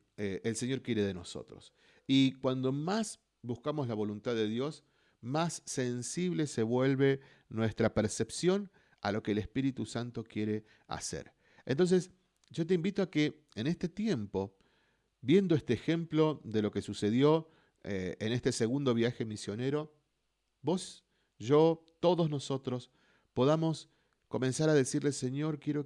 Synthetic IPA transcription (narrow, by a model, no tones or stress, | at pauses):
eelse̞ɲo̞ɾkje̞ɾe̞ðe̞no̞so̞̰t̪ɾos | ikwand̪o̞mas | buskamozlaβ̞o̞lunt̪aððeðjo̞s | masːe̞nsiβ̞le̞seβwe̞lβe̞ | nwest̪ɾapeɾse̞psjo̞n | a̰lo̞keːlespiɾit̪usant̪okje̞ɾe̞ | a̰sḛɾ | ent̪o̞ns̬e̞s | ʒo̞t̪eimbit̪oakeː | nest̪e̞t̪je̞mpo̞ | βje̞nd̪oest̪exe̞mplo̞ðelo̞ke̞suse̞ðjo̞ | enest̪e̞se̞ɣund̪o̞βjaxe̞misjo̞ne̞ɾo̞ | bo̞s | ʒo̞t̪o̞ðozno̞so̞t̪ɾo̞s | po̞ðamo̞s | ko̞mẽ̞nsaɾaðesiɾlese̞ɲo̞ɾkje̞ɾo